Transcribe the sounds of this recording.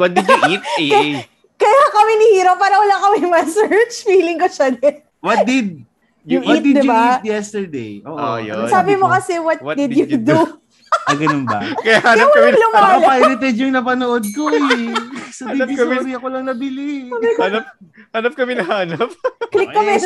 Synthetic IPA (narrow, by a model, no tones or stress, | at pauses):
wɐt̪̚d̪ɪduʔit̪̚ | kɐjakɐmɪnɪhiːɾɐp̚pːaːɾɐwɐlakɐmɪmɐsɛɹt͡ʃfiːlɪŋkoʃɐd̪ɛn | wɐt̪̚d̪ɪd̪̚ | jʊwt̪̚d̪ɪd̪ɪbaiːt̪jɛst̪ɛɹd̪ḛjʔo̰ːʔsaːbɪmokɐsɛwɐt̪̚d̪ɪd̪jud̪u | ʔɡɐnonbɐ̰kɐjahaːjɐwɐlʊmaɐːɐlpajɾlɪt̪ɛd̪jʊŋnɐpɐnoʔod̪̚koɛsɐd̪ib̪isɾiɐkolɐŋnɐbɪlɪanp̚hanɐp̚kɐmɪnɐhaːnɐp̚klɪkːɐmɛ